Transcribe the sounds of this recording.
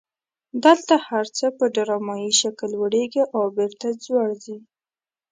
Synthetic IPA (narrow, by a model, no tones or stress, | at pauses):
d̪əlt̪ahaɾt͡səpəɖaɾɑmɑjiʃakəlwəɽeɡiʔawbeɾt̪ad͡zwaɽzi